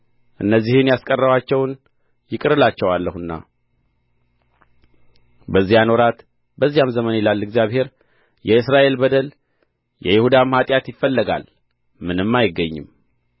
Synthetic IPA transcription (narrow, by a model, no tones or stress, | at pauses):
ʔɨnːəzːihɨnjaskʼərːəwat͡ʃːɛwn | jɪkʼɨɾɨlat͡ʃːɛwalːəhɨnːa̰ | bəzːijanoɾat̪ | bəzːijamzəmənilalːɨɡzjaβhe̞ɾ | jɛɨsɾaʔe̞lbəd̪əl | jɛjɪhud̪amhat̪ʼjat̪jɪfːəlːəɡa̰l | mɨnɨmːajɪɡːəɲːɨ̰m